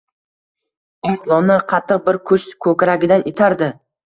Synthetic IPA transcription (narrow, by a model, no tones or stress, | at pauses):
aslˠɒnɪqʰɑt̪ʰːɨq̚bɪɾkʰʊʃkʰɵkʲɾaɡʲɪd̪anʔet̪ʰaɾd̪ɪ